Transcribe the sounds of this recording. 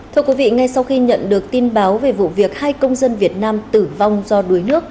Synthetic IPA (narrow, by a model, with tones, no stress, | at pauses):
t̪ʰɨ˧əkwi˨˦vḭ˧˨ŋa˧jsa˧wxi˧ɲə̰˧˨nɗɨ˨˩ək̚t̪i˧nɓaː˨˦wve˨˩vṵ˧˨vi˨˩ək̚haː˧jkə˧wŋ͡mzə˧nvi˨˩ət̚naː˧mt̪ɨ˧˩va˧wŋ͡mzɔ˧ɗu˨˦əjnɨ˦˥ək̚